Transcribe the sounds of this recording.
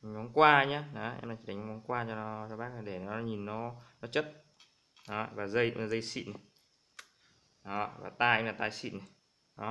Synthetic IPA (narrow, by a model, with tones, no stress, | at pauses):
mɔ˨˦nkwaː˧ɲaː˧˦na˨˦ʔɛ̰˧mnaː˨˩t͡ɕi˨˩˨a˨˩ŋ˨˧˦mɔ˨˦nkwaː˧t͡ɕɔ˧˦˨t͡ɕɔ˧ɓaː˦˥k̚a˨˩ɗe˧˩nɔ˨˦˨ɲi˨˩nːɔ˨˦nɔ˨˦t͡ɕə˦˥t̚ | nɔ˨˦˨vaː˨˩zə˧jzə˧jsḭ˧˨na˨˩ | ɔ˨˦va̰ː˨˩t̪aː˧a˧ŋlaː˨˩t̪aː˧jsḭ˧˨na˨˩ | ɗɔ˨˦